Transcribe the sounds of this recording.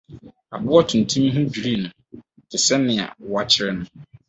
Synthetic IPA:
a̰˨bʊ˦ɔ˦tʰʊ̃˨n̩˨tʰũ˦mĩ˦ɦʊ̃˦bᶣi˨ɾi˦˨nʊ̃˨ | tʰɪ˨sɛ˦nɪ̃˨a̰˨wa˦t͡ɕʰɪ˦ɾɪ˦nʊ̃˦

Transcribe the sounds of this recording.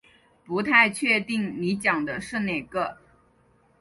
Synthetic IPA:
pu˧˥t̪ʰa˥˧ɪt͡ɕʰɥɛ˥˧t̪i˥˩ŋni˧˥t͡ɕjɑ˨˩ŋd̪ə˦ʂɻ̩˥˧ne˨˩ɪɡə˧˦

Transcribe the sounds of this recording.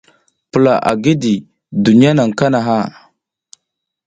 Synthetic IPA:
pə˨la˨ʔa̰˨ɡi˦di˨ | du˨ni˦a˦na˨ŋka˦na˨ɦa˦˨

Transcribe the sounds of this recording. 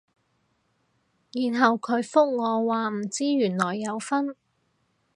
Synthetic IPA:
jiː˨˩nɦɐ˨wkʰɵ˨˧ɥfʊ˥k̚ŋɔː˨˧waː˨m̩˨˩t͡siː˥jyː˨˩nlɔː˨˩jːɐ˨˧wfɐ˥n

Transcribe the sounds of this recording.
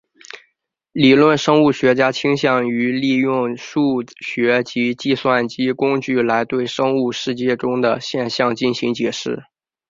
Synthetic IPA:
li˨˩lwə˥˩nʂɤ˥ŋu˥˩ɕɥɛ˧˥t͡ɕja˥t͡ɕʰi˥ŋɕjɑ˥˩ŋy˧˥li˥˧jʊ˥˧ŋʂu˥˩ɕɥɛ˧˥t͡ɕi˧˥t͡ɕi˥˧swa˥˩nt͡ɕi˥kʊ˥ŋt͡ɕy˥˩la˧˥ɪt̪we˥˩ɪʂɤ˥ŋu˥˧ʂɻ̩˥˧t͡ɕjɛ˥˩ʈ͡ʂʊ˥ŋd̪ə˨ɕjɛ˥˧nɕjɑ˥˧ŋt͡ɕi˥˩nɕi˧˥ŋt͡ɕjɛ˨˩ʂɻ̩˥˩

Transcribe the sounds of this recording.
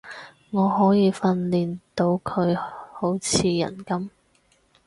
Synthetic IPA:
ŋɔː˨˧ɦɔː˨˥jiː˨˧fɐ˧nliː˨˩nt̪o˧wkʰɵ˨˧ɥho˨˥wt͡sʰiː˨˧jɐ̰˨˩nkɐ˥m

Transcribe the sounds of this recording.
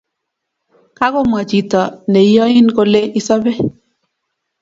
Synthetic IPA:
ka˦kɔ˦mwa˨t͡ʃi˨tɔ˨ne˨˦jɔ˦ɪ˦nko˦le˦ʔɪ˦sɔ˦bɛ˦

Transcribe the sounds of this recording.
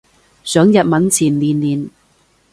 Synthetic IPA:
sœː˨˥ŋjɐ˨t̚mɐ˨˥nt͡sʰiː˨˩nliː˨˩nliː˨˩n

